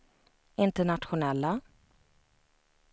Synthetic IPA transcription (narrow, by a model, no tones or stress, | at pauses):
ɪnt̪əɳat̪ɧʊnɛlːa